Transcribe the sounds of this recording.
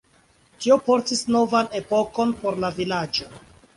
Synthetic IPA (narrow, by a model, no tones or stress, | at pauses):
tio̞po̞ɾtisno̞vane̞po̞ko̞npo̞ɾlavilad͡ʒo̞